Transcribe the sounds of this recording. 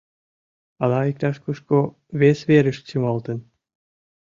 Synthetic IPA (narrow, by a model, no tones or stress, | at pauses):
ɑlɑik̚t̪ɑʃkuʃko | βesβeɾə̆ʃt̪t͡ɕimɑlˠt̪ə̆n